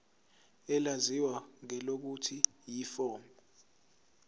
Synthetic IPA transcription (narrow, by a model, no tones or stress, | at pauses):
ɛlaziwaŋɛlok̬utʰi | jiːfɔːmɔ